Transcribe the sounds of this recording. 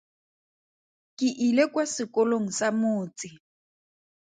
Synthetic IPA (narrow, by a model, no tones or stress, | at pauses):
kʼɪʔilekwasɪkɔloŋ̩samoːt͡sʼɪ